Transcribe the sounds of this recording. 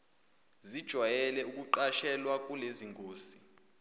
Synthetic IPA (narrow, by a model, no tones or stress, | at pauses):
zid̥ʒ̥ʱwajɛlɛuk̬ʼuǃaʃɛlwak̬ʼuleziŋkʰʼoːsi̥